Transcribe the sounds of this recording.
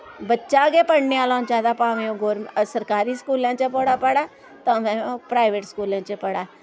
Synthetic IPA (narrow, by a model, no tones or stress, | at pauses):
bətːʃaːɡeːpəɽneaːlãːd͡ʒaːd̪aːpaːʋẽːõɡoːɾmsəɾkaːɾiːskuːlãːt͡ʃpəɽaːpəɽaː | t̪ãːmɛ̃ːpɾaːɪʋeʈskuːlãːt͡ʃpəɽaː